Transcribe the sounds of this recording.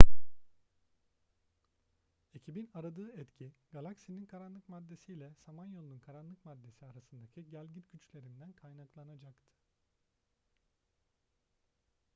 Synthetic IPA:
e̞cʰibinaɾad̪ɯːɛt̪cʰiɡ̥alˠaksininkʰaɾanlˠɯkmad̪ːe̞sijlʲɛsamanjo̞lˠununkʰaɾanlˠɯkmad̪ːe̞siaɾasɯnd̪acʰiɟælʲɟit̪ɟ̥yt͡ʃlʲe̞ɾind̪ænkʰajnaklˠanad͡ʒakt̪ʰɯ̥

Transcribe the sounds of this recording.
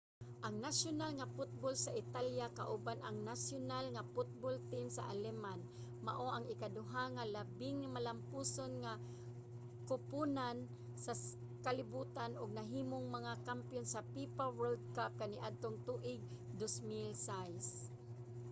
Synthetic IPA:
ʔaŋnasʊnalŋafʊt̪̚bolsaʔɪt̪aljakaʔubanaŋnasjonalŋapʊt̪̚bolt̪imsa̰ʔalɛman | maʔoʔaŋɪkad̪ʊɦaŋalabɪŋːamalampusonŋa | kʊpʊnan | sa | kalɪbuːt̪anʊɡ̚naɦiːmoŋmaŋakampjonsapipawold̪̚kap̚kaniʔad̪̚t̪oŋt̪uʔɪɡ̚ | d̪osmɪlsajs

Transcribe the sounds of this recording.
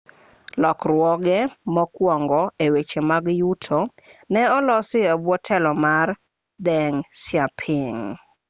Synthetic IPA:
lɔkrwɔɡɛmɔkwɔŋɡɔewet͡ʃemaɡjutʰonɛɔlɔsɪabwɔtʰɛlɔmar | dɛŋsɪapʰɪŋ

